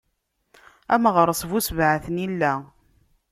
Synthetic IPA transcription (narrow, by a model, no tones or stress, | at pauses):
æmʁəɾˤsˤvusvʕaθənilːæ